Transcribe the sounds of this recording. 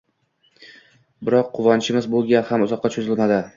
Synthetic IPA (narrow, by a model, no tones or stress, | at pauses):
bɪɾɒqʰːʊvɒnt͡ʃʰɪmɪzbolˠɡʲahamʊzɒqːɑt͡ʃʰʊzɪlmad̪ɪ